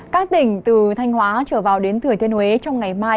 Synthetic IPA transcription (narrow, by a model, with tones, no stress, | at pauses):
kaː˦˥k̚t̪ï˧˩ŋ̟t̪ɨ˨˩t̪ʰa˧jŋ̟hwaː˨˦t͡ɕəː˧˩vaː˨˩wɗe˨˦nt̪ʰɨ˧˩ət̪ʰənhwe˨˦t͡ɕɔ˧wŋ͡mŋa˨˩jmaː˧